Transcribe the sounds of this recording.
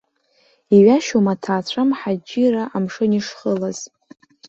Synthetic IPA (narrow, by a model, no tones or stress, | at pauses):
iɥaʃomatʰaːt͡ɕʷʰamħad͡ʒiraʔamʂɨniʂχəlaz̥